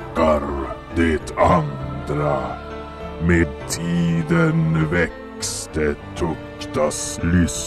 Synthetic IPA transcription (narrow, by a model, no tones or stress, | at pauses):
kaɾd̪et̪ʰand̪ɾa | meːd̪̚t̪ʰiːd̪ənvɛk | st̪ət̪ʰɔk̚ | t̪aslʏs